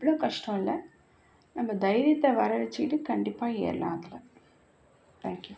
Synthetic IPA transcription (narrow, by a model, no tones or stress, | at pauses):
ɐpːɐɭoːkɐʂʈõɪlɐ | nɐmːɐd̪ɐɪɾɪjɐt̪ːɐʋɐɾɐɾɐt͡ʃːɪʈːɯkɐɳɖɪpːaːḛːɾɐla̰ːŋɡɐlɐ | t̪aːŋkju